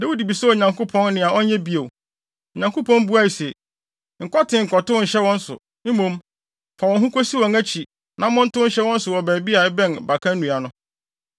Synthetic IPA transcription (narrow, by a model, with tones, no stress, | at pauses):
dɛ˦wu˦di˨bi˨sɛ˦˨ɲã˨ŋkʰʊ˦pʰɔ̃˦nːɪ̃˨a˨ʔɔ˦ɲ˦ɲɛ˦bi˦e˨ | ɔ˨ɲã˨ŋko˦pʰɔ̃˦n˦bu˦a˦i˨sɛ˨ | ŋ̩˨kɔ˦tʰɪ̃˨ŋ̩˨kɔ˨tʊ˦˨ɕɛ˦wɔ̃˦n̩˦sʊ̰˨ | m̩˦mũ˨m | fa˨wɔ̃˨ɦũ˦kʰo˦si˦wɔ̃˨ŋæ˦t͡ɕʰi˨ | nã˨mʊ̃˦n̩˦tʊ˦ɕɛ˦wɔ̃˦n̩˦sʊ˨wɔ˨bæː˨bi˦a˨˦bɛ̃˦nba˨kʰã˦n˦nũ˨a˨nʊ̃˦